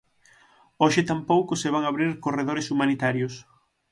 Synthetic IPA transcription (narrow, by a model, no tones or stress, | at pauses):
oʃɪt̪ampowkʊseβ̞aŋaβɾiɾkoreðoɾesumanit̪aɾjʊs